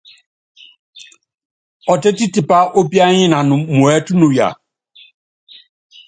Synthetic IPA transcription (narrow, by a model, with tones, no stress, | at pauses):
ɔ˨tɛ˦ti˦tɪ˨pa˦ʔo˦bi˦a˦ɲɪ̃˦nã˨nʊ̃˨mũ˨ɛ˦tʊ˦nʊ̃˨ja̰˨